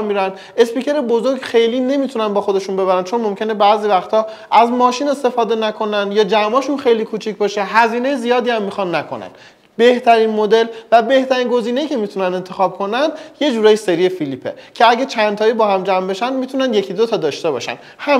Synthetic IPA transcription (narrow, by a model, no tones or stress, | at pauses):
mmiːɾænd̪ | e̞spiːcʰe̞ɾebozoɾɡxe̞jliːne̞miːt̪ʰunænbɒːxod̪e̞ʃunbe̞βæɾænt͡ʃʰo̞nmomcʰe̞nebæːziːvæxt̪ʰɒː | ʔæzmɒːʃiːne̞st̪e̞fɒːd̪e̞nækʰo̞nænd̪jɒːd͡ʒæmɒːʃunxe̞jliːkʰuːt͡ʃʰicʰbɒːʃeɦæziːne̞jezijɒːd̪iːæmːixɒnːækʰo̞̰næ̰n | be̞ht̪ʰæɾinmod̪e̞lvæbe̞ht̪æɾiːnɡoziːne̞jiːcʰe̞mit̪ʰunænd̪e̞nt̪ʰexɒːb̚kʰo̞nænd̪je̞d͡ʒuːɾɒːjiseɾiefilipʰḛcʰe̞æɟæt͡ʃʰændt̪ʰɒːibɒːhæmd͡ʒæmbe̞ʃænd̪miːt̪ʰunænd̪je̞cʰid̪ot̪ʰɒːd̪ɒːʃt̪e̞bɒ̰ːʃæ̰nhæm